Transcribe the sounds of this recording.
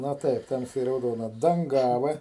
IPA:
nɐ ˈtɐɪp ˈtɐmʲsʲɛɪ rɐʊˈdoːnɐ dɐŋˈɡɑːʋɐ

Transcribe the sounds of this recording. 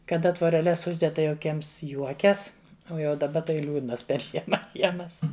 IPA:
kɐˈdɐ tʋoːrʲɛˈlʲɛs ˈʊʒʲdʲɛt ˈtɐɪ jɛʊ kʲiɛms ˈjuɔkʲɛs ˈoː ˈjɛʊ dɐˈbɐ tɐɪ ˈlʲuːdnɐs pʲɛr ˈʒʲiɛmɐ ˈkʲiɛmɐs

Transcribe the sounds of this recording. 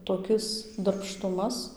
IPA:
toːˈkʲɪs dɐrpˈʃtʊmɐs

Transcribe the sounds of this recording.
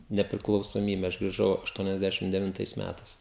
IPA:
nʲɛpʲrʲɪklˠɐʊsoːˈmʲiːbʲɛ ɐʃ ɡrʲɪˈʒɐʊ ɐʃˌtuɔnʲɛzʲˈdʲæːʃʲɪm dʲɛʋʲɪnˈtɐɪs ˈmʲætɐɪs

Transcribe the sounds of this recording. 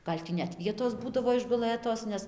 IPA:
ˈɡɐlʲ tʲiː nʲɛt ˈʋʲiɛtoːs ˈbuːdɐʋoː ɪʒɡʊˈlˠɘtoːs ˈnʲɛs

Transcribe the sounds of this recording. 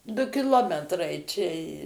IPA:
ˈdʊ kʲɪˈlˠoːmʲɛtrɐɪ t͡ʃʲɛ

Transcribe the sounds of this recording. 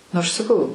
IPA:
ɐʃ sɐˈkɐʊ

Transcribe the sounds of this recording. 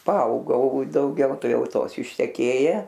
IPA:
pɐˈɐʊɡɐʊ dɐʊˈɡʲɛʊ ˈtɐɪ ˈjɛʊ ˈtoːs ɪʃʲtʲɛˈkʲeːjɛ

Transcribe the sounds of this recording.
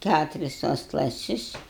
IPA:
ˈkʲætʊrʲɪs tuɔs klˠɐˈsʲɪs

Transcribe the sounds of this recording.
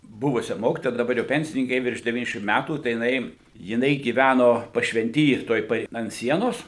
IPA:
ˈbʊʋʊsʲɛ ˈmoːkʲɪtoːjɛ dɐˈbɐr jɛʊ ˈpʲɛnʲsʲɪnʲɪŋʲkʲɪ ˈjɛɪ ʋʲɪrʃ dʲɛˈʋʲiːnʲɛzʲdʲɛʃʲɪm ˈmʲætuː tɐɪ jɪˈnɐɪ jɪˈnɐɪ ɡʲiːˈʋʲænoː pɐʃʲʋʲɛnʲˈtʲiː tuɔj ˈpɐ ɐnt ˈsʲiɛnoːs

